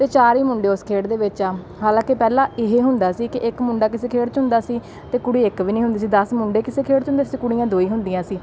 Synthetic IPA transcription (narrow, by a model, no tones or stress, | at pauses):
t̪eːt͡ʃaːɾiːmʊɳɖeːʊskʰeːɽd̪eːʋɪt͡ʃaː | ɦaːlãːkɪpɛːlãːɪɦeːɦʊnd̪aːsiːkɪʔɪkmʊ̃ɳɖaːkɪseːkʰeːɽt͡ʃɦʊ̃nd̪aːsiː | t̪eːkʊɽiːɪkʋiːnĩːɦʊ̃nd̪iːs̬iːd̪əsmʊɳɖeːkɪseːkʰeːɽt͡ʃɦʊnd̪eːsiːkʊɽiːãːd̪oːiːɦʊ̃nd̪ijãːsiː